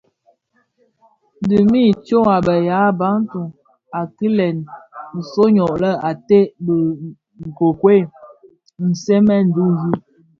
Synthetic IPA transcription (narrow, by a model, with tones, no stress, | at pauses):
di˨mi˦˨t͡ʃo˦ŋa˨bə˨ja˨˦ba˨˦n˦tu˨ŋ | a˨ki˦lɛ˨n̩˨so˦ɲɔ˨ʔlə˦a˨te˦ʔbə˨ | ŋ̩˨ko˨kwe˦˨ | n̩˨se˦mɛ˦n̩˨du˦n˨˦d͡ʒu˦